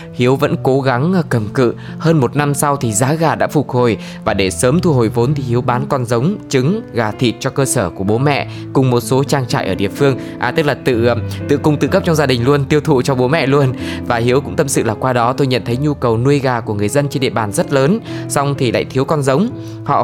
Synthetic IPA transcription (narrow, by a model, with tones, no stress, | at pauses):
hi˨˦əwvə̰˧˥nko˨˦ɣa˨˦ŋ˧kə˨˩mkɨ̰˧˨ | həː˧nmo˨˩t̚na˧msa˧wt̪ʰi˨˩zaː˨˦ɣaː˨˩ɗa̰ː˧˥fʊ˨˩t̚ho˨˩j | vaː˨˩ɗe˧˩səː˨˦mt̪ʰu˧ɦo˨˩jvo˨˦nt̪ʰi˨˩hi˨˦əwɓaː˨˦nkɔ˧nzə˨˦wŋ͡mt͡ɕɨ˨˦ŋɣaː˨˩t̪ʰḭ˨˩t̚t͡ɕɔ˧kəː˧səː˧˩ku˧˩əɓo˨˦mɛ̰˧˨ | kʊ˨˩ŋ͡mmo˨˩t̚so˨˦t͡ɕaː˧ŋt͡ɕa̰ː˧˨jʔəː˧˩ɗḭ˧˨əfɨ˧əŋ | ʔaː˨˩t̪ɨ˦˥k̚laː˨˩t̪ɨ̰˧˨t̪ɨ̰˧˨kʊ˧ŋ͡mt̪ɨ̰˧˨kə˦˥p̚t͡ɕɔ˧ŋ͡mzaː˧ɗï˨˩ŋ̟lu˧ənt̪i˧əwt̪ʰṵ˧˨t͡ɕɔ˧ɓo˨˦mɛ̰˧˨lu˧ənvaː˨˩ɦi˨˦əwkʊ̰˧˥ŋ͡mt̪ə˧msɨ̰˧˨laː˨˩kwaː˧ɗɔ˨˦t̪o˧jɲə̰˧˨nt̪ʰə˨˦jɲu˧kə˨˩wnu˧əjɣaː˨˩ku˧˩əŋɨ˨˩əjzə˧nt͡ɕe˧nɗḭ˧˨əɓaː˨˩nzə˦˥t̚ləː˨˦nsa˧wŋ͡mt̪ʰi˨˩la̰ː˧˨jt̪ʰi˨˦əwkɔ˧nzə˨˦wŋ͡m | hɔ̰˧˨